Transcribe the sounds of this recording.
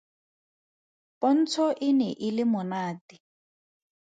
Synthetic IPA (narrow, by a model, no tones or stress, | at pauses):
pɔn̩t͡sʰɔʔɪnɛʔɪlɪmʊnaːtɪ